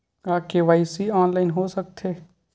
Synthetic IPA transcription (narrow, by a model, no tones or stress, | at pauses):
aːkeʋaːisiɔːnlaːɪnɦosɐk̚t̪ʰeː